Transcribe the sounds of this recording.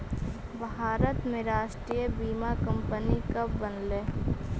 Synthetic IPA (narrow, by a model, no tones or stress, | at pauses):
bʱɦaːɾət̪mẽɾaːʃʈɾiːjəbiːmakə̃mpənikəbbənleː